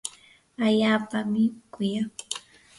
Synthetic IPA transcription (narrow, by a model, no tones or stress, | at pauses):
aʎaːpamɪkʊja